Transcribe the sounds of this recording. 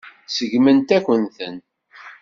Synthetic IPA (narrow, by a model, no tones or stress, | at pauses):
səʝmənt̪ækʷənθən